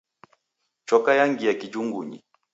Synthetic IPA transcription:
t͡ʃɔkajaŋɡijakid͡ʒuŋɡuɲḭ

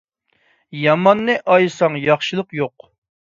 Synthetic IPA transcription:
jɑmɑnːɨʔɑjsɑŋjɑχʃɨlˠəqjoq

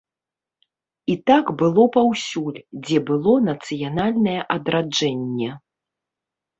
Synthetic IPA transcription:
it̪aɡbɨlˠɔpawsʲulʲd͡zʲɛbɨlˠɔnɐt̪sɨjanalʲnɐjɛʔɐd̪ɾad͡ʐɛnʲːɛ

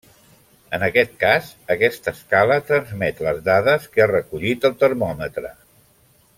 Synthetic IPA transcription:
ənəkɛt̪̚kazəkɛst̪əskalət̪ɾənzmɛt̪ləzðaðəskəarəkuʎit̪əlˠt̪əɾmɔmət̪ɾə

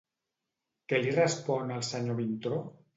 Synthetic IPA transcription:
kelirəspɔnalˠsaɲoβint̪ɾo

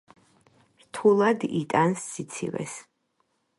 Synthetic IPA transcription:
ɾt̪ʰulˠad̪it̪ʼansːit̪sʰḭvɛ̰s

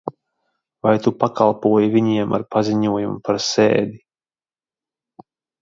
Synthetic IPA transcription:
vajt̪upakalˠpuɔjviɲiɛma̰ɾpaziɲuɔjumpaɾsḛːd̪i

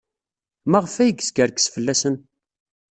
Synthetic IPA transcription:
mæʁfæjəɡskəɾksfəlːæsən

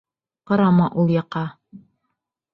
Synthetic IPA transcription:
qɤ̆ɾɑmɑʔulˠjɑqɑ

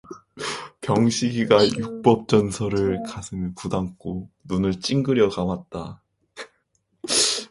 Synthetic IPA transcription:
kjʌŋɕʰiɡiɡajuk̚p͈ʌp̚t͡ɕ͈ʌnsʰʌɾɯɭkasʰɯnɯpudaŋk͈onunɯɭt͡ɕ͈iŋɡɯɾjʌkamat̚t͈a

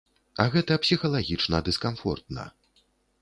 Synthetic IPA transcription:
ɐɣɛt̪ɐpsʲixɐlˠaɣʲit͡ʂnɐd̪ɨskamfɔ̰rt̪̚nɐ̰

